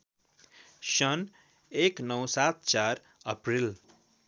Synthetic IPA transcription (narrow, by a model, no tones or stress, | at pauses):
sʌn | eknʌwsat̪̚t͡ʃaɾ | ʌpril